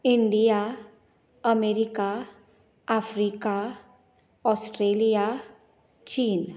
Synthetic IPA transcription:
ɪɳɖija | əmeːɾika | afɾiːka | ɔːsʈɾeːlija | t͡ʃiːn

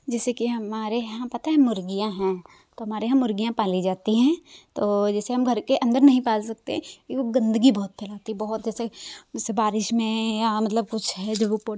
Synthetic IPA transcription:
d͡ʒɛːsekiɦɐmaːɾeɦãpɐt̪aɦɛ̃mʊɾɡijãɦɛ̃ː | t̪oɦɐmaːɾeɦãmʊɾɡijãpaːlid͡ʒaːt̪iɦɛ̃ːt̪oːd͡ʒɛːseɦɐmɡʱɐɾkeʔɐ̃nd̪əɾnɐɦĩpaːlsɐk̚t̪eɦɛ̃ioɡɐ̃nd̪əɡibɔɦːʊt̪̚pʰɛːlaːt̪ibɐɦʊt̪̚d͡ʒɛːsed͡ʒɛːsebaːɾɪʃmẽjamɐt̪ləb̚kʊt͡ʃʰɦɛd͡ʒoopo

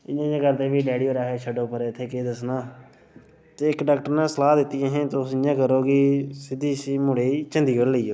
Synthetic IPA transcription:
ɪãːãːɡəɾt̪eːʋiːɖeːɽijoːɾaːɦeːt͡ʃʰəɖoːpəɾeːɪt̪ʰːeːkeːd̪əsnaː | t̪eːɪkɖaːk̚ʈəɾnãːsəlaːd̪ɪt̪ːijẽːɦẽːt̪osɪɲãːkəɾoːɡisɪd̪iːsiːmʊɽeːiːt͡ʃə̃nd̪iːkəɾləiːoː

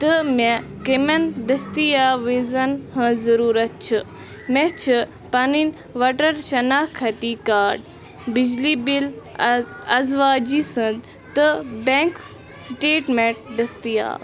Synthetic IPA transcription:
t̪ɨmekemɐnɖ̪ɐst̪ijaːʋizɐnhə̃zɐɾuːɾɐt̪̚t͡ʃʰɨ | mẽt͡ʃʰɨ | pɐnin | ʋaʈɐɾʃɐnaːkʰːɐt̪iːkaːɾɖ | bid͡ʒliːbil | ɐzʋaːd͡ʒisə̃d̪ | t̪ɨbẽŋks | sʈeːʈmeʈ̚ɖɐst̪ija̰ː

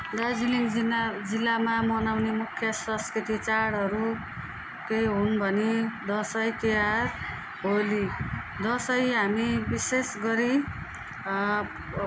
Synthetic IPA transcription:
d̪ʌd͡ziliŋid͡zilːamamʌnawnemukʰːjʌsʌ̃skɾit̪it͡saɽʌɾu | kejɦunbʱʌnid̪ʌsʌjt̪ear | ɦoli | d̪ʌsʌjɦamibisesɡʌɾi

